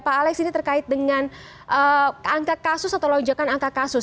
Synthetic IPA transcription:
paːlɛksinit̪ərkaɪt̪̚dəŋan | ʔəaŋkakasʊsat̪awlɔɲd͡ʒakanaŋkakasʊ

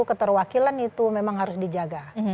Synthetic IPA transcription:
ukət̪ərwakilanit̪umemaŋɦaɾʊsdid͡ʒaɡa

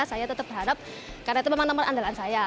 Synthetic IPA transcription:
sajat̪ət̪əp̚bərɦadap̚ | karnait̪umemaŋnəmənʔandalansaja

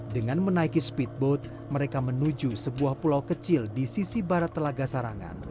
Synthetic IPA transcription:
dəŋanmənaikispit̪̚bot̪̚ | məɾekamənud͡ʒusəbuahpulawkət͡ʃɪldisisibaɾat̪ːəlaɡasaɾaŋa̰n

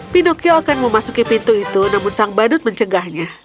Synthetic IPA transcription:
pinokioakanməmasukipint̪uit̪unamʊnsaŋbadʊt̪̚məɲt͡ʃəɡahɲa

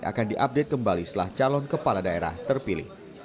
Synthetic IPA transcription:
ʔa̰kandiʔap̚det̪̚kəmbalist̪əlaht͡ʃalɔnkəpaladaeɾa̰ht̪ərpilɪ̰h

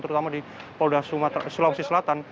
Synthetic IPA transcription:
t̪əɾut̪amadipodasuasulausisəlat̪an

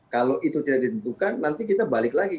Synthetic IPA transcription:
kaloʔit̪ut̪idaʔ̚dit̪ənt̪ukanːant̪ikit̪abalɪklaɡi

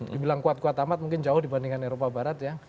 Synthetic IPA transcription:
ddibilaŋkuat̪̚kwat̪amat̪̚muŋkɪnd͡ʒaʊhdibandiŋaneɾopabaɾat̪ja

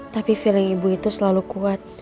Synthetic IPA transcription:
t̪apifiləŋibuit̪usəlalukuat̪̚

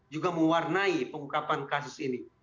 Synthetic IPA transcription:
d͡ʒuɡaməwarnaipəŋukapankasʊsini

